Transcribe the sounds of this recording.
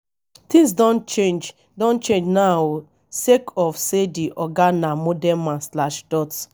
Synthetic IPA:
tĩŋs̬dɔ̃nt͡ʃend͡ʒ | dɔ̃nt͡ʃend͡ʒnaw | sekʰɔfsediʔɔɡanamodɛnmãslaʃd̥ɔt

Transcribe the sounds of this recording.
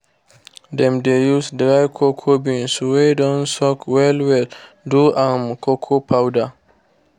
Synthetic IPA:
dɛ̃mdejusdɾajkʰokʰobĩnswedɔ̃nsɔkʰwɛlwɛl | duãmkʰokʰopʰawda

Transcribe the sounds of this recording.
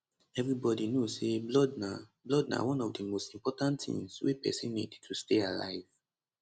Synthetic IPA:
ɛvɾibɔdinoseblɔd̚nablɔdna̰wɔ̃nɔvdimostĩmpɔtãntḭ̃ŋswepɛ̰sĩnḭdtʰusteala̰ɪv̥

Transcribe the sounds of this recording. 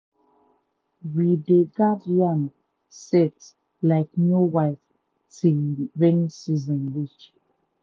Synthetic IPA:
wideɡadian | sɛt | laɪknowaɪf | tiŋɹɛ̃ŋsizɛnwit͡ʃ

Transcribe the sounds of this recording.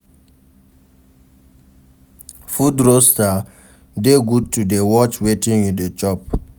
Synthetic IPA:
fudɹosta | deɡud̚tudewɔt͡ʃwetĩnudet͡ʃɔp̚

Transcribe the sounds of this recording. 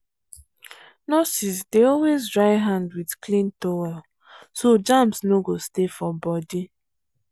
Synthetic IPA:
nɔsisdeɔlwezdɹaɪɦãndwiðklĩntowɛl | sod͡ʒãmsnoɡostefɔbɔdi

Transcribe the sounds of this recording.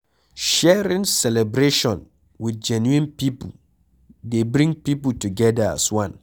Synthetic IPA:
ʃɛɾɪ̃nsɛlɛbɾeʃɔ̃n | wɪθ̚d͡ʒɛ̃nũĩnpipu | debɾĩŋpiputuɡɛdaa̰swãn

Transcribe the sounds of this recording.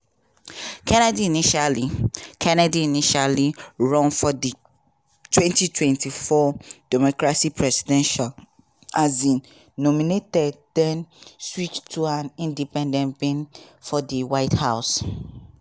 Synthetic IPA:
kʰɛ̃nɛdiiniʃalikʰɛnɛdiiniʃaliɹɔ̃nfɔdi | twɛ̃ntitʰwɛ̃ntʰifɔd̥ɛmɔkɹasipʰɹɛsidɛ̃nʃal | azĩn | nɔ̃minetɛdd̥ɛ̃nswit͡ʃtʰuãnĩndipɛ̃ndɛ̃nbɛ̃nfɔdiwaɪthaʊs

